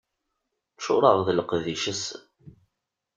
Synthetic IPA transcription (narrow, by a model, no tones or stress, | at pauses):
ʃʊ̰ɾˤəʁðəlqðiʃəs